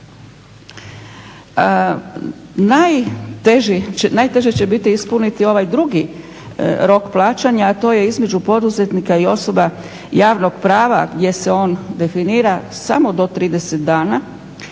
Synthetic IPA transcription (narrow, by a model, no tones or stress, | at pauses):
najt̪eʒinajt̪e̞ʒet͡ɕe̞bit̪iispunit̪io̞ʋajd̪ɾuɡi | ɾo̞kplˠaːt͡ʃaɲaːt̪o̞ːje̞izme̞d͡ʒupo̞d̪uze̞t̪nikaio̞so̞ba | jaːʋno̞ɡ̥pɾaːʋaɡd̪je̞se̞o̞ːnd̪e̞finiːɾasa̰mo̞d̪o̞t̪ɾiːd̪e̞set̪̚d̪aːna